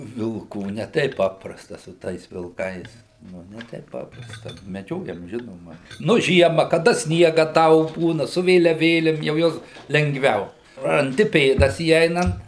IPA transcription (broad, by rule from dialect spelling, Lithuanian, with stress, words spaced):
ʋʲɪlˠˈkuː nʲɛ ˈtʲɛɪp ˈpɑːprɐstɐ sʊ ˈtɐɪs ʋʲɪlˠˈkɐɪs ˈnʊ nʲɛ ˈtʲɛɪp ˈpɑːprɐstɐ mʲɛˈd͡ʒʲoːjɛm ˈʒʲɪnoːmɐ nʊ ˈʒʲiɛmɐ kɐˈdɐ ˈsʲnʲiɛɡɐ ˈdɐʊk ˈbuːnɐ sʊ ʋʲeːlʲɛˈʋʲeːlʲɪm jɛʊ ˈjuɔs lʲɛŋɡˈʋʲɛʊ rɐnʲˈdʲɪ ˈpʲeːdɐs iːˈɛɪnɐnt